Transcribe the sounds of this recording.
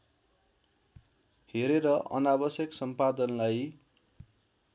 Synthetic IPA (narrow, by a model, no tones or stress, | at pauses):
heɾeɾʌʔʌ̰nabʌsjʌksʌmpad̪ʌnlaj